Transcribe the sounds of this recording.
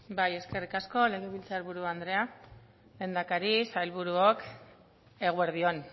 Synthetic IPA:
baje̞ske̞rikasko̞le̞ɣ̞eβ̞ilt͡saɾβuɾuand̪ɾe̞a | lend̪akaɾisajlβuɾuok | e̞ɣ̞ueɾðio̞n

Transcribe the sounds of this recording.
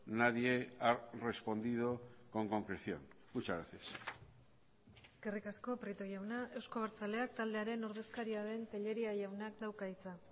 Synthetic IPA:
naðjeare̞spo̞nd̪ið̞oko̞ŋko̞ŋkɾeθjo̞̰ŋ | ut͡ʃaɾaθes | ɡ̥erikasko̞pɾit̪o̞ʝawnaʔe̞wsko̞β̞aɾt͡sale̞ak̚t̪ald̪e̞aɾe̞no̞ɾðe̞skaɾiaðe̞nt̪eʎe̞ɾiaʝawnakd̪awkait͡sa

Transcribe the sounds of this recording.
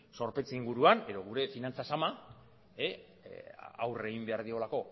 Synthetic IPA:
so̞ɾpe̞t͡seiŋɡuɾuane̞ðo̞ɣuɾe̞finant͡sasama | e | a̰wre̞ɣimbe̞aɾð̞io̞lako̞

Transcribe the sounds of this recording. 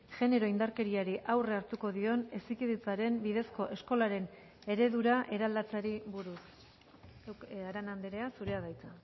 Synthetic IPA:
ʝe̞ne̞ɾo̞ind̪aɾke̞ɾiaɾiʔawre̞aɾt̪uko̞ðio̞ne̞sikiðet͡saɾe̞mbiðe̞sko̞ʔe̞sko̞laɾe̞n | e̞ɾe̞ðuɾaʔe̞ɾald̪at͡saɾiβuɾus | aɾanand̪eɾe̞asuɾe̞aðajt͡sa

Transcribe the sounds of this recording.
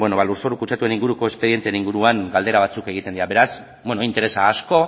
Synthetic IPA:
bwenoβaluɾsoɾukut͡ʃat̪ueniŋɡuɾuko̞espe̞ðient̪eniŋɡuɾuaŋɡald̪e̞ɾaβ̞at͡suke̞ɣ̞it̪e̞nd̪iɾaβe̞ɾas | bwenoint̪e̞ɾe̞saːsko̞

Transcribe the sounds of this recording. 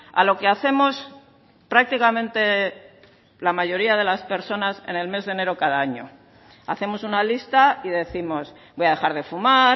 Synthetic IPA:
a̰lo̞keaθe̞mo̞s | pɾak̚t̪ikamẽnt̪e̞ | lamaʝo̞ɾiað̞e̞laspe̞ɾso̞nase̞̰ne̞lme̞zðene̞ɾo̞kaðaaɲo̞̰ | aθe̞mo̞sunalist̪aiðe̞θimo̞s | bo̞jaðe̞xaɾðe̞fuma

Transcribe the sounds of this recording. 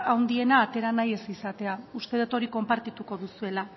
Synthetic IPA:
awnd̪ie̞naːt̪e̞ɾanaje̞sisat̪e̞aust̪e̞ðet̪o̞ɾiko̞mpaɾt̪it̪uko̞ðusue̞la

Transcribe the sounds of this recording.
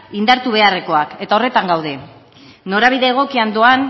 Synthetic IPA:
ind̪aɾt̪uβ̞e̞are̞ko̞ake̞t̪ao̞re̞t̪aŋɡawð̞e̞ | no̞ɾaβ̞iðe̞ːɣ̞o̞kiand̪o̞an

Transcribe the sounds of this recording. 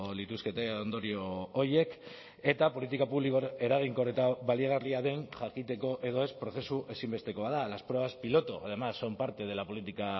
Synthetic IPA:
lit̪uske̞t̪eond̪o̞ɾio̞ːɾje̞k | e̞t̪apo̞lit̪ikapuβlikoeɾaɣ̞iŋko̞ret̪aβaliɣ̞ariaðe̞nʝakit̪e̞ko̞ʔe̞ðo̞e̞spɾo̞θe̞suʔe̞simbe̞st̪e̞ko̞βaðalaspɾoeβaspilo̞t̪uað̞emasːo̞mpaɾt̪e̞ð̞e̞lapo̞lit̪ika

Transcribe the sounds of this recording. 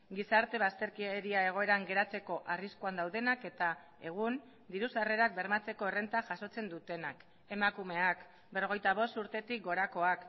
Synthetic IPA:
ɡisaɾt̪e̞β̞ast̪e̞ɾkiɾiae̞ɣ̞o̞e̞ɾaŋɡe̞ɾat͡se̞ko̞ʔariskuand̪awðe̞nake̞t̪a | e̞ɣ̞un | d̪iɾusare̞ɾak̚be̞ɾmat͡se̞ko̞ere̞nt̪aʝaso̞t͡se̞nd̪ut̪e̞nak | e̞makume̞ak | bero̞ɣ̞e̞jt̪aβ̞o̞st̪uɾt̪e̞t̪ik̚ɡo̞ɾako̞ak

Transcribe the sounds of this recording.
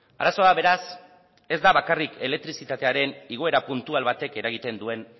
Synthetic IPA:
a̰ɾaso̞aβe̞ɾas | e̞zd̪aβakarike̞le̞k̚t̪ɾisit̪at̪e̞aɾe̞niɣ̞o̞e̞ɾapunt̪ualβat̪e̞ke̞ɾaɣ̞it̪e̞nd̪ue̞n

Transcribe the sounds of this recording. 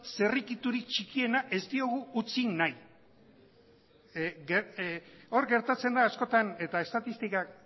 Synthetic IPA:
se̞rikit̪uɾikt͡ʃikie̞naʔe̞zt̪io̞ɣ̞uːt͡sinnaj | ɡe | o̞ɾɡe̞ɾt̪at͡se̞nd̪aːsko̞t̪ane̞t̪ae̞st̪at̪ist̪ikak

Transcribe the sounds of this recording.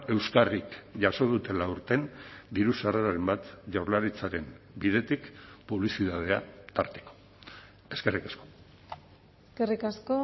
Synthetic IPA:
e̞wskarikʝaso̞ð̞ut̪e̞lauɾt̪e̞nd̪iɾusaraɾaɾe̞mbat̪ʝawɾlaɾit͡saɾe̞m | biðe̞t̪ikpuβlisiðað̞e̞at̪aɾt̪e̥ko̥ | e̞ske̞rikasko̞ | eskerikasko

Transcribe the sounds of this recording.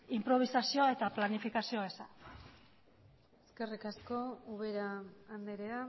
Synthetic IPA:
impɾo̞β̞isasio̞ae̞t̪aplanifikasio̞esa | eske̞rikasko̞uβeɾaːnd̪eɾea

